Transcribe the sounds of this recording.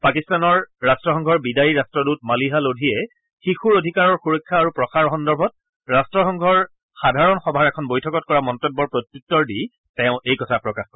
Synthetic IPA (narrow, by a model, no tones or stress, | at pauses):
pakistanɔɹːastɹɔxɔŋɡʱɔɹbidaɹiɹastɹɔdut̚maliɦalodʱijɛ | xixuɹodʱikaɹɔɹxuɹɔkʰːaːɹupɹɔxaɹɦɔndɔɹbʱɔt̚ | ɹastɹɔxɔŋɡʱɔɹ | xadʱaɹɔnxɔbʱaɹɛkʰɔnbojtʰɔkɔt̚kɔɹamɔntobːɔɹpɹotjuk̚tɔɹdi | tɛʊ̃ʔejkɔtʰapɹɔkaxkɔɹɛ